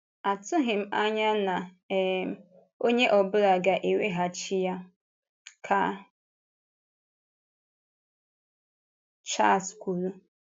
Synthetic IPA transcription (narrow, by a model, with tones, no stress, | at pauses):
a˨tʊ˦ɦɪ˨m̩˦a˦ɲa˦na˨ | o˦ɲe˦ʔɔ˨bʊ˦ɾa˨ɡa˨ʔe˨we˦ɦa˨t͡ʃi˦ja˦ | kʰa˦ | t͡ʃa˦˨skʷu˨lu˦